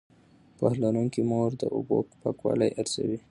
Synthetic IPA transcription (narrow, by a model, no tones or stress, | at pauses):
pahlanuŋkimoɾd̪əʔobokpakwɑlajʔaɾzawi